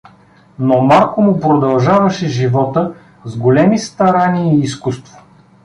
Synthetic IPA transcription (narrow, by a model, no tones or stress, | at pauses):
nomalˠkʊmʊpɾod̪ɐlˠʒavɐʃɛʒivɔt̪ə | zɡolɛmist̪ɐɾaniəiːskust̪vo